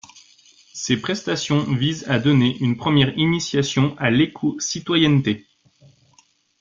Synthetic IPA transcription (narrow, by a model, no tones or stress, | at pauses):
sepχɛst̪asjɔ̃vizad̪ɔneʔynpχəmjɛʁinisjasjɔ̃ʔalekʰosit̪wajɛnt̪e